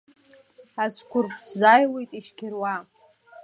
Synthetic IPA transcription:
askʷʰʊrpʼʰszajlejtʼiʃkʲʰɪrwa

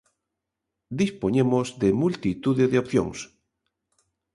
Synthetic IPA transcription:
d̪ispoɲemozðemult̪it̪uðeðeopθjõ̰ŋs

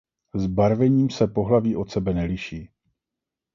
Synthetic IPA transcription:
zbaɾvɛɲiːmsɛpo̞ɦlaviːʔo̞t̪sɛbɛnɛlɪʃiː

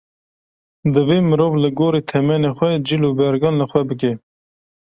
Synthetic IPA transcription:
d̪ɨveːmɨɾoːvləɡoːɾeːt̪ʰɛmɛnexʷɛd͡ʒilubɛɾɡɑːnləxwɛbɨk̬e

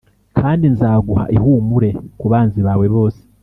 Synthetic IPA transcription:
kʰaːndinzaːɡuha̰ʔihuːmuɾe̞kuβaːnziβaːwe̞βo̞ːse̥

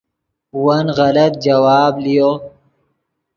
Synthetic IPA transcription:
uwɐnɣɐlɐt̪̚d͡ʒɐwaːblijo

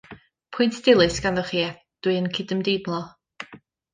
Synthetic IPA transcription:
pʰʊɨntʰd̥ɪlˠɨsɡ̥anðɔχiːɛ | d̥wɨənkʰɪdəmdednlˠɔ

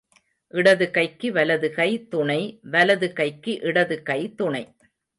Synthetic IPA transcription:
ʔɪɽɐðɯkɐɪkːɯʋɐlɐðɯkɐɪt̪ʊɳɐɪʋɐlɐðɯkɐɪkːɯʔɪɽɐðɯkɐɪt̪ʊɳɐɪ

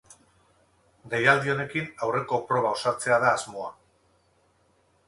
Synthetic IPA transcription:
d̪ejald̪io̞ne̞kinawre̞ko̞pɾo̞β̞ao̞sat͡se̞aðaːzmo̞a

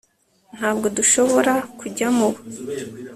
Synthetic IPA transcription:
n̥haːbɡo̞duʃo̞βo̞ɾakuɟamuβo

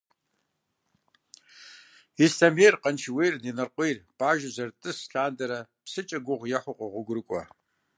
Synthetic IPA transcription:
istʰɐmejrqənt͡ʃʰwejrninɐrqʷejrb̥aːʒɐzɐrtʼɨsɬaːndɐɾɐ | psɨt͡ʃʼɐɡʷʊʁʷjɐħʷʊqʷʼɔʁʷʊɡʷʊrɨkʷʼɔ

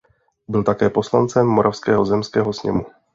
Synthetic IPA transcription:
bɪlt̪akɛːpo̞slant͡sɛmːoɾʔafskɛːɦo̞zɛmskɛːɦo̞sɲɛ̰mu

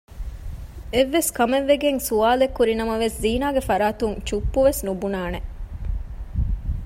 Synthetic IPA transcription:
eʋːeskɐmeʋːeɡeŋsuaːlekːuɾinɐmɐʋesziːnaːɡefɐɾaːt̪uŋt͡ʃupːuʋesnubunaːne

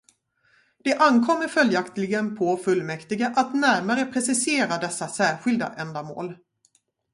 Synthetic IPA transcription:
d̪̥ɛʔankʰɔmːəɾfœljakt̪lɪɡənpʰɔfɵlːmɛkt̪ɪɡaʔat̪næɾmaɾəpʰɾɛsɪseːɾad̪ɛsːasæːɾɧɪld̪a̰ʔɛnd̪amo̰ːl

